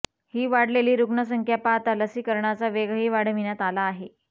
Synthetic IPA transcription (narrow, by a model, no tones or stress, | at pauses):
hiːʋaɽ̤leliːɾuɡɳəs̬əŋkʰjapat̪aləsiːkəɾɳat͡saʋeɡɦiːʋaɽ̤ʋinjat̪alaːɦe